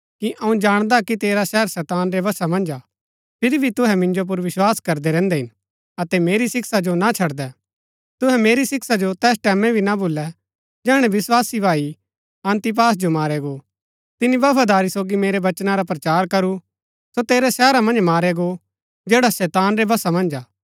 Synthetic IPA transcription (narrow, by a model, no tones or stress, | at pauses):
kiʔɐũd͡ʒaːɽ̃d̪akit̪eːɾasɛːɾsɛːt̪aːnɾɛʋɐsamɐ̃nd͡ʒa | pʰɪɾibʱit̪ʊɦɛmɪ̃nd͡ʒop̬ʊɾʋɪswaːskɐɾd̪ɛɾɛ̃ːnd̪ɛɦɪn | ɐt̪ɛmeːɾisɪksad͡ʒonat͡ʃʰɐɽd̪ɛ | t̪ʊɦɛmeːɾisɪksad͡ʒot̪ɛːsʈɛːmɛ̃bʱinaboːlːɛ | d͡ʒɛːɽ̃ɛʋɪswaːsibʱaːi | ɐ̃nt̪ip̬aːs̬d͡ʒomaːɾɛɡo | t̪ɪnibɐfad̪aːɾisoːɡimeːɾeʋɐt͡ʃnaɾapɾɐt͡ʃaːɾkɐɾu | sot̪eːɾɛsɛːɾamɐ̃nd͡ʒmaːɾɛɡo | d͡ʒeːɽasɛːt̪aːnɾɛbʱɐsamɐ̃nd͡ʒaː